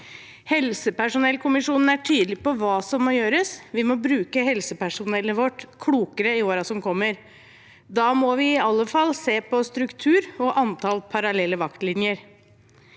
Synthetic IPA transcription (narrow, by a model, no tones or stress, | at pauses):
hɛlsəpæʂʊnɛlkʰʊmɪʂuːnn̩æʈʰyːd̪əlɪpɔʋɑːsɔmːɔjøːɾəsʋɪmɔbɾʉːkəhɛlsəpæʂʊnɛlːəʋɔʈːkʰɽuːkəɾəɪoːɾɑsɔmkʰɔmːəɾ | d̪ɑːmɔʋɪɪɑlːəfɑlːseːpɔst̪ɾʉkt̪ʰʉːɾɔʔɑnt̪ʰɑlpʰɑɾɑlɛlːəʋɑkt̪lɪnjəɾ